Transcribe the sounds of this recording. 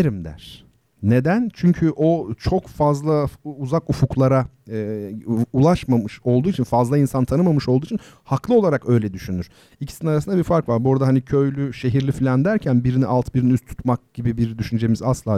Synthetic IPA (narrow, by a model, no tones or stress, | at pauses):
ɾimd̪æ̰ɾ̥ | ne̞d̪ænt͡ʃʰyɲcʰyʔot͡ʃʰo̞kfazlˠauzakufuklˠaɾa | ulˠaʃmamɯʃo̞lˠd̪uːit͡ʃʰinfazlˠainsant̪ʰanɯmamɯʃo̞lˠd̪uːit͡ʃʰinhaklˠɯo̞lˠaɾakø̞jlʲɛd̪yʃynyɾ̥ | icʰi̥sininaɾasɯnd̪abiɾfaɾkvaɾbuɾad̪aɦanicʰø̞jlʲyʃe̞ɦiɾlʲiflʲænd̪æɾcʰænbiɾiniʔalˠt̪ʰbiɾiniyst̪ʰu̥t̪mak̚ɟ̥ibibiɾd̪yʃynd͡ʒe̞mizaslˠaː